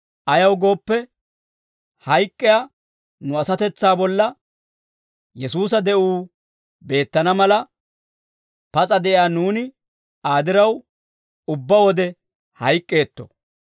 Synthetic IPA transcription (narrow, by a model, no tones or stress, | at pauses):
ʔɐjɐwɡo̞ːpːɛ | hɐjkʼːɛja | nʊɐsɐt̪ɛt͡sːaːbɔlːɐ | jɛsuːs̬ɐd̪ɛʔuː | be̞ːt̪ːɐnɐmɐlɐ | pɐt͡sʼɐd̪ɛʔɪaːnuːnɪ | aːd̪ɪɾɐw | ʊbːɐwɔd̪ɛ | hɐjkʼːe̞ːt̪ːɔ̥̰